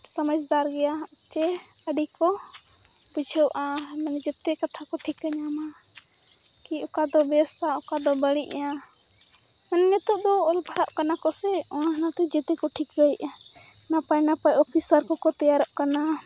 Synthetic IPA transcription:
səməsd̪aɾɡɛja | t͡ʃɛ | əɖikɔ | bud͡ʒʱəwʔamɛŋd͡ʒɛt̪ɛkat̪ʰakɔʈʰikːəɲama | kiɔkad̪ɔbɛɔst̪ʰaɔkad̪ɔbəɽiʔa | mɛnɲɛt̪ɔʔd̪ɔɔlbʱaɽaʔkanakɔsɛɔanat̪ɛd͡ʒɛtk̪ɛkɔʈʰikbəjʔnapajnapajɔpʰisaɾkɔkɔt̪ɛjaɾɔʔkana

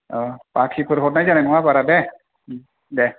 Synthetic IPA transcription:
ɔpakʰikʰoɾɦɔtnajzanɛnɔwabaɾadɛ | dɛ

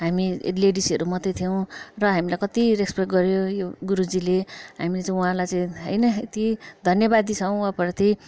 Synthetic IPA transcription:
ɦamḭleɖisiʌɾumʌt̪et̪ʰijow̃rʌɦamilajkʌt̪irekspekʈɡʌɾjojoɡuɾud͡zileɦamilet͡saĩuɦãlajt͡saĩɦʌ̰jnʌet̪id̪ʱʌnjʌbad̪it͡sʰʌw̃apʌrt̪e

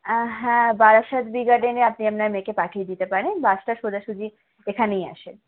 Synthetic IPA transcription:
ɦɛ̃baɾaʃad̪biɡaɾɖeneapniapnaɾmekepakʰijd̪it̪epaɾenbaʃʈaʃod̪aʃud͡ʑʱi | ekʰaneja̰ʃen

